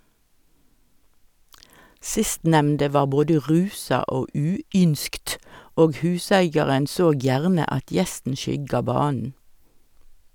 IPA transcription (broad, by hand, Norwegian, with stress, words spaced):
ˈsɪstnɛmndə ˈʋɑːʁ ˈboːdə ˈʁʉːsɑ ˈoː ˈʉːˌʏnskt ˈoːɡ ˈhʉːsæɪɡjɑʁən ˈsoːɡ ˈjæʁnə ˈɑt ˈjɛstn̩ ˈʃʏɡɑ ˈbɑːnn̩